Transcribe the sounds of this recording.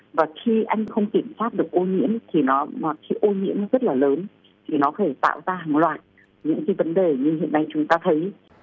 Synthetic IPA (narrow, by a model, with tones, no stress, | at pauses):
vaː˨˩xi˧ʔa˧jŋ̟xə˧wŋ͡mki˧˩əmswaː˦˥t̚ɗɨ˨˩ək̚ʔo˧ŋḭ˧˥əmt̪ʰi˨˩nɔ˨˦maː˨˩xi˨˦ʔo˧ŋḭ˧˥əm˧zə˦˥t̚laː˨˩ləː˨˦n | t̪ʰi˨˩nɔ˨˦xt̪ʰe˧˩t̪a̰ː˧˨wzaː˧ɦaː˨˩ŋlwa̰ː˧˨j | ɲɨ̰˧˥ŋkaː˨˦jvə˨˦nɗe˨˩ɲɨ˧ɦḭ˧˨ənːa˧jt͡ɕʊ˨˦ŋ͡mt̪aː˧t̪ʰə˨˦j